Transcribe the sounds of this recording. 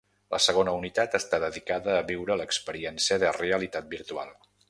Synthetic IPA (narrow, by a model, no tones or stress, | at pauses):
lʔəsəɣ̞onəunit̪at̪əst̪aðəðikaðəːβiwɾələkspəɾiɛnsiəðəreəlit̪at̪̚biɾt̪ua̰lˠ